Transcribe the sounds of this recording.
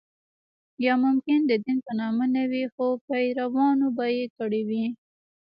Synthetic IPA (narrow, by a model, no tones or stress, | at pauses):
jɑmʊmkɪnd̪əd̪inpənɑmənawixopajɾawɑnobajek̪əɽewi